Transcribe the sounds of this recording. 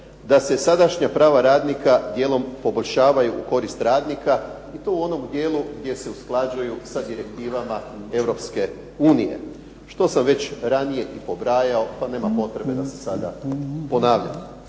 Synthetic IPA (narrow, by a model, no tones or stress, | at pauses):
d̪ase̞sad̪aʃɲapɾaːʋaɾaːd̪nikad̪je̞ːlo̞mpo̞bo̞ʎʲʃaːʋajuʔuko̞ɾist̪ɾaːd̪nika | it̪o̞ːuo̞no̞md̪je̞ːlˠuɡd̪je̞se̞usklˠad͡ʑujusad̪iɾe̞k̚t̪iːʋamae̞ʋɾo̞pske̞ | uːnije̞̰ | ʃt̪o̞samʋe̞t͡ɕɾanije̞ʔipo̞bɾaːjao̞pane̞ːmapo̞t̪ɾe̞be̞d̪ase̞̥sad̪a̰po̞naːʋʎa̰m